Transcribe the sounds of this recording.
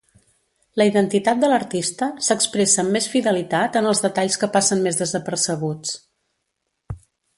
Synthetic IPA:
ləiðənt̪it̪at̪̚d̪ələɾt̪ist̪əsəkspɾesəmːesfiðəlit̪at̪ənəlˠzðət̪aʎskəpasənmezðəzəpəɾsəɣ̞ut͡s

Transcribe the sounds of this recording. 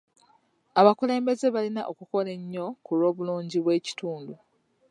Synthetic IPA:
aβakule̞ːmbe̞ze̞βalinaʔo̞kuko̞le̞ɲːo̞kulo̞ːβuluːɲɟiβwe̞ːci̥tuːndu

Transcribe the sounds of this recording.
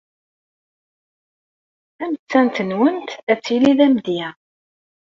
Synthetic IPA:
æmət͡sːænt̪ənwənt̪æt͡sːiliðæmd̪jæ

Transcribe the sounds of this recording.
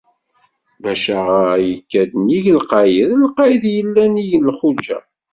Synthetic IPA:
bæʃæʁajəkːæd̪niʝəlqɑjəðlqɑjəðjəlːænijənːχulʒæ̰

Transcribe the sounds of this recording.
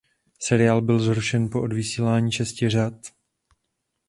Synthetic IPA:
sɛɾɪjaːlbɪlzɦɾuʃɛnpo̞ʔodvɪsiːlaːɲiːʃɛscɪr̝at̪

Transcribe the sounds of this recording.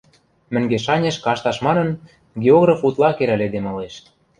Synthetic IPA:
mɘ̆ŋɡeʃɑnʲeʃkɑʃt̪ɑʃmɑnɤ̆n | ɡʲeoɣrɑfut̪lɑkeɾæled̪emɤ̆leʃ

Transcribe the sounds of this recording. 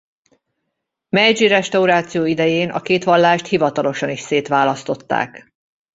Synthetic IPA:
mɛd͡ʒiɾɛʃt̪ɒuɾaːt̪sijoːid̪ɛjeːnɒ̰keːt̪ʋɒlːaːʃt̪hivɒt̪ɒlo̞ʃɒniʃseːt̪ʋaːlɒst̪o̞t̪ːa̰ːk

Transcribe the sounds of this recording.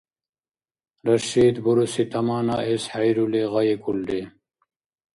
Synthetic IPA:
ɾɐɕiːd̪buɾusit̪ʰɐmaːnaʔeshɐjɾuleʁɐjekulɖe

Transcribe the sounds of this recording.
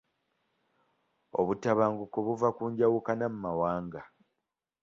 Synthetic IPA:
o̞βutaβaːŋɡukoβuvakuːɲɟawukanamumawaːŋɡa

